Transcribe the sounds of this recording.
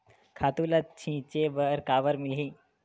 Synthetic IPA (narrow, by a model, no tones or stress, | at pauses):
kʰat̪ulat͡ɕʰĩt͡ɕebəɾkaʋəɾmilɦĩ